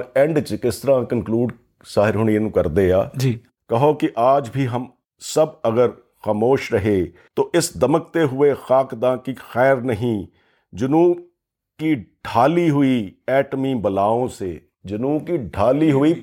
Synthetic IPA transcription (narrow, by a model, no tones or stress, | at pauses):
ɛ̃ɳɖt͡ʃkɪst̪əɾãːkənkluːɖ | saːɦɪɾɦʊñienũːkɐɾd̪eːaːd͡ʒiː | kɐɦokɪʔaːd͡ʒbʱiːɦɐm | sɐbɐɡəɾ | xaːmoːʃɾɐɦeː | t̪oːʔɪsd̪ɐmək̚t̪eɦʊexaːkd̪ãːkixɛːɾnɐɦĩː | d͡ʒʊnũː | kiɖʱaːliɦʊiːɛːʈmiːbəlaːõːseː | d͡ʒʊnuːbkiːɖʱaːliɦʊiː